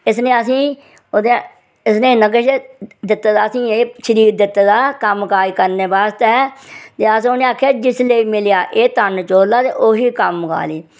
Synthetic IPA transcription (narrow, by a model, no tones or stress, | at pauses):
ɪs̬neːəs̬ĩː | oːd̪e | ɪsneːnəɡəʃd̪ɪt̪ːd̪aːəsĩːeːʃəɾiːɾd̪ɪt̪ːd̪aːkəmkaːiːkəɾneːbaːst̪ɛːt̪eːəs̬oːneːaːkʰːjaːd͡ʒɪsleiːmɪlɪjaːʔeːt̪ənt͡ʃoːlaːt̪eːʔoːɦiːkəmːka̰ːliː